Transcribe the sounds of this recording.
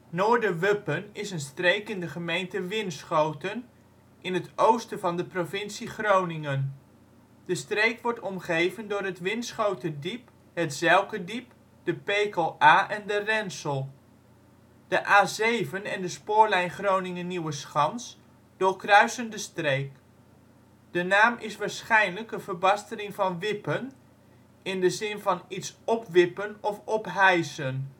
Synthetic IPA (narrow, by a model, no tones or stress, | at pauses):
nʊːɹdəʋɵpənɪsənstrejkɪndəχəmejntəʋɪnsχowtən | ʔɪnɦətowstəvɑndəprovɪnsiχrownɪŋən | dəstrejkʋɔɹtɔmχejvəndʊːɹɦətʋɪnsχowtədip | ɦətzɛlˠkədip | d̥əpejkəlˠaːʔɛndərɛnsəlˠ | d̥əʔaːzejvənɛndəspʊːɹlɛjnχrownɪŋənːiwəsχɑns | d̥ʊːɹkrœɥsəndəstrejk | d̥ənaːmʔɪsʋaːɹsχɛjnləkənvəɹbɑstəlɪŋvɑnʋɪpən | ʔɪndəzɪnvɑnitsɔpʋɪpənɔfɔpɦɛjsən